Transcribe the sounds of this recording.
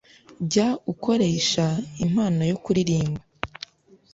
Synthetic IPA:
ɟaukʰo̞ɾe̞ːʃaim̥haːno̞jo̞kuɾiɾiːmba

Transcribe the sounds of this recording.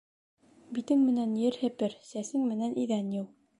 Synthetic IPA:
bit̪ɘŋmɘ̆nænjɘɾhɘ̆pɘɾsæsɘŋmɘ̆nænʔiðænjɘw

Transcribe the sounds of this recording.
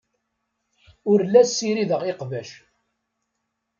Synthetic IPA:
ʊɾlæsːiɾiðəʁeqvæʃ

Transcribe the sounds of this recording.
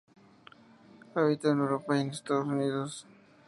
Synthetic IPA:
aβit̪aneɾopaenest̪aðosuniːðos

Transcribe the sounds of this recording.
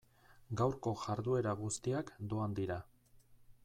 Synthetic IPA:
ɡawɾko̞ʝaɾðue̞ɾaɣust̪iakd̪oand̪iɾa

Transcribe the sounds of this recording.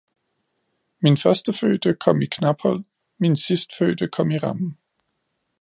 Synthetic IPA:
minfɶɐsd̥əfø̰ːd̥əkʰɒ̽m̰ikʰnab̥hɒ̽l̰ | minsisd̥føːd̥əkʰɒ̽m̰iʁɑ̈mn̩

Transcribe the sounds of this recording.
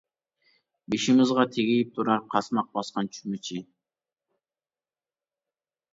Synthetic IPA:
beʃɪmɪzʁɑt̪ʰeɡʲijip̚t̪ʰuɾɑɾqʰɑsmɑq̚bɑsqɑnt͡ʃʰy̥mɪt͡ʃʰɪ

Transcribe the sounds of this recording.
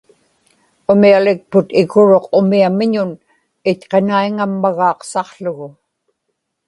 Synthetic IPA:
ʊmialɪk̚pʊt̪ɪɣʊɻo̞qʊmiamɪɲʊn | ɪtqenaiŋamːaɣɑːqsɑqɬʊɣʊ

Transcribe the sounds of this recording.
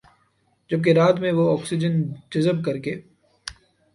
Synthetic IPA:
d͡ʒɐb̚k̬eɾaːt̪mẽʋoɔːksɪd͡ʒənd͡ʒɐzəb̚kɐɾkeː

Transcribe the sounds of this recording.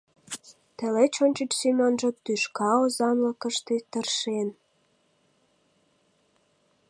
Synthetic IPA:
t̪ĕlet͡ɕonʲt͡ɕət͡ɕsimʲonʒə̆t̪yʃkɑozɑnləkə̆ʃt̪et̪ərʃen

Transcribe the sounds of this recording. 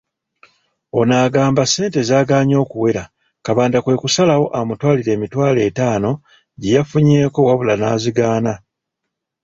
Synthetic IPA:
o̞naːɡaːmbase̞ːnte̞zaːɡaːɲo̞ːkuwe̞ɾa | kaβaːndakwe̞ːkusalawo̞ʔamutwaːliɾe̞ːmitwaːle̞ːtaːno̞ | ɟejafuɲe̞ːko̞waβulanaːziɡaːna

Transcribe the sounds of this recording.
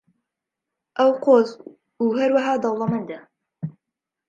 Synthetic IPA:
ʔɐwqoːz | uːɦaɾwaɦaːd̪ɑwlˠɑmɐnd̪a

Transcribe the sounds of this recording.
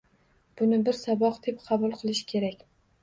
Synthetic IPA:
b̥ʊnɪbɪɾsabɒqd̪ep̚qʰɑbʊlˠqʰɨlˠɪʃɪ̥kʲʰe̞ɾakʲ

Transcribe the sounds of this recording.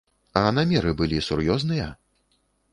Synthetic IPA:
ɐnamʲɛɾɨbɨlʲisurjɔznɨjɐ

